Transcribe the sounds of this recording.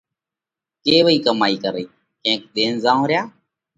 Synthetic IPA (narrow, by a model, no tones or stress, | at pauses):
keːʋəiːkəmaːiːkəɾeiː | kẽːk̚d̪eːnzãːõːɾɪjaː